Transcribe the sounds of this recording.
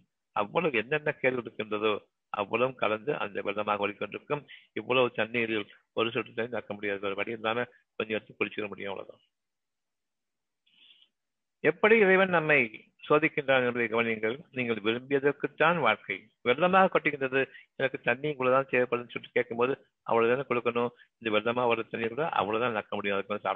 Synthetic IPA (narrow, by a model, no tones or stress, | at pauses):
ɐ̰ʋːɐɭɐʋɛnːɛnːɐkeːʈkɯɾɯkːɯndrɐðoː | ʔɐ̰ʋːɐɭɐʋɯmkɐ̰lɐnd̪ɯʔɐ̰nd̪ɐʋɛlːɐmaːɣɐɐɾɪkːɔnɖɪɾɯkːɯmɪʋːɐɭɐɔɾɯt̪ɐnːiɪɾjɪl | ɔɾɯs̬ɔʈːɯt̪ːɐɪnaːkːɐmʊɽɪjaːðɯɐɾɯʋɐɽɪjɪnraːnɐ | kɔɲd͡ʒɐɐt̪ːɯkʊɽɪt͡ʃːɯɣɪɾɐmʊɽɪjɐmɐ̰ɭɐ̰ða̰ː | ɛpːɐɽiɪɾɐɪʋɐnnɐmːɐɪ | soːðɪkːɪndraːnɛnbɐðɐjɐɡɐʋɐnɪŋɡɐɭniːŋɡɐɭʋɪɾɯmbɪjɐðɐrkɯt̪ːaːnʋaːɻkɐɪ | ʋɛlːɐmaːɣɐkːɔʈːɪɣɯɳdɐðɯɛnɐkːɯt̪ɐɳːiŋkuːɽɐt̪ãːnseːʋɐpːɐɽnsɔʈrɯ̥kːeːʈ̚kɯmpoːðɯ | ʔɐ̰ʋːɐɭɐðɛnːɐkɔɽɯkːɐnʊ | ɪnd̪ɐʋɛlːɐmaːʋɐɾɐt̪ɐnːɪkːɭɐʔɐ̰ʋɐɭɐt̪ãːnɐkːɐmʊɽɪjʊ̃mɐðɯkːɯɐnd̪ɯsa̰ː